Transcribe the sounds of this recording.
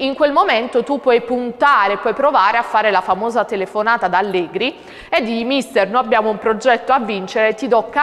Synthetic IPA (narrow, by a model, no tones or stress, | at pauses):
iŋkwelmoment̪ot̪upːwɔjpunt̪aːɾeːpːwɔjpɾovaːɾeafːaːɾelafamoːzat̪elefonaːt̪ad̪alːɛːɡɾi | ed̪ːimist̪ernõabːjaːmoumpɾod͡ʒɛt̪ːoavːint͡ʃeɾet̪ːid̪ɔkːa